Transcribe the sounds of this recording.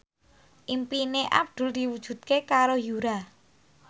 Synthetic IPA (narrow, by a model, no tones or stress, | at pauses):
ʔimpineʔa̰p̚d̪̥ʊ̤ld̪̥i̤wud̥ʒ̥ṳd̪̥̚kekaɾojuɾa